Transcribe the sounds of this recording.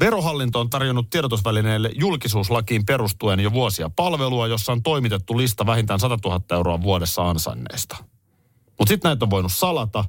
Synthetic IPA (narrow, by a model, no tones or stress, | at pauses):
ʋe̞ɾo̞ɦɑlːint̪oːnt̪ɑrjonːut̪ːieɾot̪osʋæline̞ːlːḛjulkisuːslɑkiːmpe̞ɾust̪uenjoʋuosiɑpɑlʋe̞luɑjo̞sːɑont̪o̞imit̪e̞t̪ːulist̪ɑʋæɦint̪æːnsɑt̪ɑt̪uɦɑt̪ːɑe̞wɾoɑʋuodesːɑɑnsɑ̰nːḛːst̪ɑ̥ | mut̪sit̪næit̪ːoʋʋo̞jnussɑlɑt̪ɑ